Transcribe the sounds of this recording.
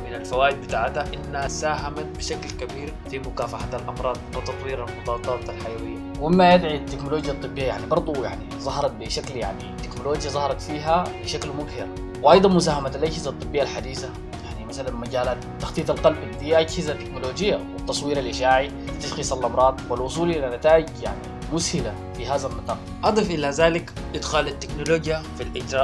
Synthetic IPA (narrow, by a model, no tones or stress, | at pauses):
mɪnalfawaːʔɪd̪̚bɪt̪aːʕt̪haʔɪnːhasaːɦamat̪̚biʃaklkabiːɾfimʊkaːfaħat̪alʔɑmɾˤɑːd̪̚ˤwɪt̪ɑt̪ˤwiːɾalmʊt̪ˤɑwɑt̪ˤːɑɾɑt̪alħajawɪjːawɪmːajad̪ʕit̪ːɪknoloːd͡ʒjat̪ˤːɨbːijːajaʕnibɑɾˤd̪ˤuja̰ʕnizˤɑɦɑɾˤɑt̪̚biʃaklja̰ʕnit̪ːeknoloːd͡ʒjazˤɑhɾˤɑt̪fiːɦabɪʃaklmʊɡhɪɾ | wʔɑjd̪ˤɑnmʊsaːhamat̪alʔaɟhɪzat̪ˤːɨbːijːalħad̪iːsa | jaʕnimasalanmaɟaːlaːt̪t̪ːɑxt̪ˤiːt̪ˤɑlqɑlbalːd̪iːʔaɟhizat̪ːɪknoloːd͡ʒɪjːawɪt̪ːɑsˤwiːɾalʔɪʃaːʕi | t̪alxiːsalʔɑmɾˤɑːd̪ˤwalʔʊsˤuːlʔɪnːanat̪aːʔɪd͡ʒja̰ʕni | mʊshɪla | fiɦaːzalmɑt̪ˤɑːɾ | ʔɑd̪ˤɨfʔɪlazaːlik | ʔɪd̪xaːlat̪ːɪknoloːd͡ʒjafilʔɪd͡ʒɾˤɑ